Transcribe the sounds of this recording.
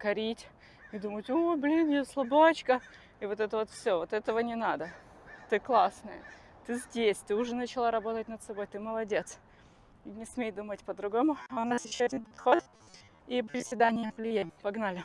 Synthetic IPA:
kɐɾʲitʲ | ɪd̪umətʲoblʲinjoslˠʊbat͡ɕkə | ɪvo̞t̪ɛt̪əvot̪fsʲovot̪ɛt̪əvənʲɪnad̪ə | t̪ɨklˠasnəjə | t̪ɨzʲdʲesʲt̪ɨʊʐɛnət͡ɕɪlˠaɾɐbo̞t̪ətʲnət̪sɐbo̞jt̪ɨməlˠɐdʲet̪s | nʲɪsmʲejd̪umətʲpəd̪ɾʊɡo̞mʊaʊnasjɪɕːoɐdʲinpɐt̪xo̞t̪ | ipʲɪɾʲɪsvʲɪd̪anʲɪjəvlʲɪjapɐɡnalʲɪ

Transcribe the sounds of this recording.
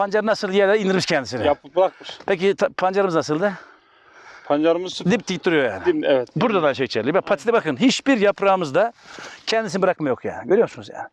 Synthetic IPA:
pand͡ʒaɾnasɯlˠjɛd̪ɛind̪iɾmiʃcʰɛnd̪isinɪjabɾak̚mɯʃpʰec̬it̪ʰapʰand͡ʒaɾɯmɯznasɯlˠd̪ɯ | pʰand͡ʒaɾɯmɯzd̪ipt̪ʰːict̪ːuɾujo̞ja̰ːnɪiɛvɛt̪buɾd̪ad̪aʃejt͡ʃʰɛɾlʲibɛpʰat̪ʰi̥t̪ɛbakɯnɦit͡ʃbiɾjapɾaːmɯzd̪acʰɛnd̪isinbɯɾak̚majo̞kja̰ːnɪɟøɾyjo̞msunuzja̰ːnɪ

